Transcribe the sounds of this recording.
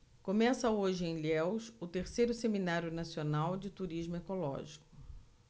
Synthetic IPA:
kõmɛsɐoʒɪẽj̃lɛwsʊt̪eɾsejɾʊseminaɾjʊnasionawd͡ʒɪt̪uɾiʒmʊekolɔ̰ʒikʊ̥

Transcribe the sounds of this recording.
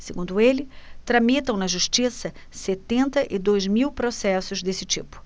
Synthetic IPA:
seɡũd̪ʊelɪt̪ɾɐmit̪ɐ̃w̃nɐʒuʃt͡ʃisɐ | set̪ẽnt̪ɐʔɪd̪ojzmiwpɾosɛsʊzd̪esɪt͡ʃipʊ̥

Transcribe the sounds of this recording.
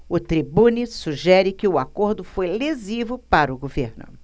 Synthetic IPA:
ʊt̪ɾibũnisuʒɛɾɪkɪʊakoɾd̪ʊfojlezivʊpaɾʊɡoveɾnʊ̰

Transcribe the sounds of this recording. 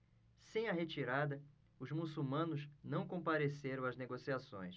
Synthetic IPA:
sẽj̃ɐɦet͡ʃiɾad̪ɐ | ʊzmusuwmɐ̃nʊznɐ̃w̃kõpaɾeseɾɐ̃w̃ɐzneɡosiasõ̰j̃s

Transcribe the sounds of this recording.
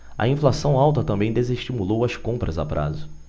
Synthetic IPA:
ɐ̰ĩflasɐ̃w̃awt̪ɐt̪ɐ̃mbẽj̃d̪ezeʃt͡ʃimulowɐskõmpɾɐzapɾʔa̰zʊ

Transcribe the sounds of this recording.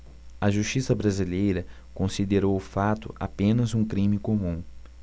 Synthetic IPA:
ɐʒuʃt͡ʃisɐbɾazilejɾɐ | kõsid̪eɾowʊfat̪ʊ̰ʔa̰pẽnɐzũkɾĩmɪkomũ

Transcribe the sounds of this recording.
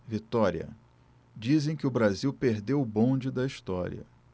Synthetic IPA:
vit̪ɔɾiɐ̰ | d͡ʒizẽj̃kɪʊbɾaziwpeɾd̪ewʊbõd͡ʒɪd̪ɐiʃt̪ɔ̰ɾḭɐ̰

